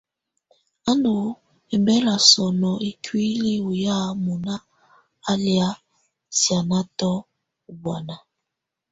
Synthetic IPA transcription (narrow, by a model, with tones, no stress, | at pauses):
a˦ndu˨ | e˨mbɛ˦la˨sɔ˨nɔ˨e˨kwi˦li˦u˨ja˦mu˨naː˦ | lja˦ | sja˨na˦tɔ˦˨ | ba˨na˨